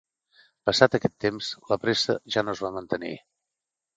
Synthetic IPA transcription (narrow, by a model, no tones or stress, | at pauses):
pəsat̪əkɛt̪ːemz̥ləpɾesə̰ʒanozβamənt̪ənḭ